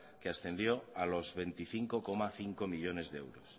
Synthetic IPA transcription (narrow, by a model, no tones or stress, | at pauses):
keasθe̞nd̪joalo̞zβẽ̞nt̪iθiŋkokomaθiŋkomiʎo̞ne̞zðḛwɾos